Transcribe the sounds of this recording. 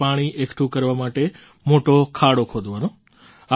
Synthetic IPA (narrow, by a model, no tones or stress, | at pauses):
aːɽ̃iʔekʈʰũkəɾʋamaʈe | moʈokʰaɽokʰod̪ʱʋano | a